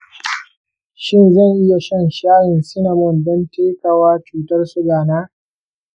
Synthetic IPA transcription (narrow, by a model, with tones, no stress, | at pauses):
ʃɪ˦nzɐ˦˨ŋʔɪ˦ja˨ʃɐ˦˨nʃaː˦jɪ˨nsɪ˦nɐ˨mɔ˦˨ndɔ˦nteː˦kɐ˨waː˦t͡ʃuː˦tɐ˦rsʊ˦ɡaː˨naː˦